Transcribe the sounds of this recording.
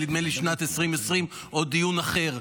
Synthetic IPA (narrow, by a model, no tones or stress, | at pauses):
lid̪meliʃnat̪esʁimesʁim | ʔod̪ijunaχe̞ʁ